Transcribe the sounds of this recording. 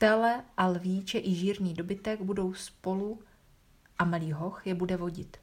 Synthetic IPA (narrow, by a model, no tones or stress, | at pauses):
t̪ɛlɛʔalviːt͡ʃɛʔɪʒiːɾɲiːdo̞bɪt̪ɛɡbudo̞wspo̞lu | ʔamaliːɦo̞xjɛbudɛvo̞ɟɪt̪